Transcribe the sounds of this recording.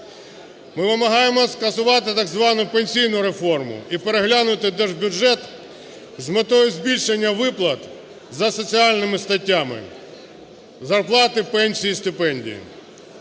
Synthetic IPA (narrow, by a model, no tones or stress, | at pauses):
mɪʋɪmɐɦɑjemɔskɐsʊʋɑt̪ɪt̪ɐɡzʋɑnʊpenʲsʲijnʊɾe̞fɔrmʊ̰ipeɾeɦlʲanʊt̪ɪd̪ɛʐbʲjʊʒɛt̪ | zmet̪ɔjʊzʲbʲilʲʃenʲːɐʋɪplˠɐt̪ | zɐsɔt͡sʲiɑlʲnɪmɪst̪ɐtʲːamɪ̰ | zɐrplˠɑt̪ɪpɛnʲsʲijist̪ɪpɛnʲdʲḭjḭ